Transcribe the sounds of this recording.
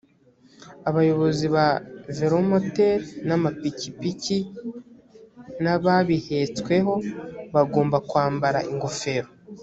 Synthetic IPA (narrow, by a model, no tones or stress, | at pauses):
aβajo̞βo̞ziβaveɾomoteɾnamapikipici | naβaβihe̞t͡skwe̞ɦo̞βaɡo̞ːmbakwaːmbaɾa̰ʔiŋɡofe̞ɾo